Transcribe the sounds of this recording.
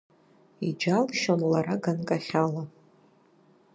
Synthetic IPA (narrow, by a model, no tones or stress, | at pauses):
id͡ʒalʃonlaɾaɡankʼaχʲala